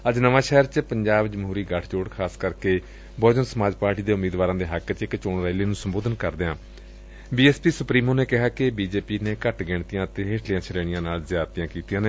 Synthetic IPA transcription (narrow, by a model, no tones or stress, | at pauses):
əd͡ʒnəʋãːʃɛːəɾt͡ʃpəɲd͡ʒaːbd͡ʒəmɦuːɾiːɡəʈʰt͡ʃoːɽkʰaːskəɾkeː | bɔːd͡ʒənsəmaːd͡ʒpaːɾʈiːd̪eːʊmeːd̪ʋaːɾãːd̪eːɦəkt͡ʃɪkt͡ʃoːnɾɛːleːnũːsəmboːd̪ənkəɾd̪eãː | biːɛːspiːsʊpɾiːmoːneːkɪɦaːkɪbiːd͡ʒeːpiːneːkəʈɡɪːɳt̪ijãːət̪eːɦeːʈʰlɪjãːt͡ʃʰəɾeːɽɪjãːnaːlzjaːd̪t̪ijãːkiːt̪ijãːneː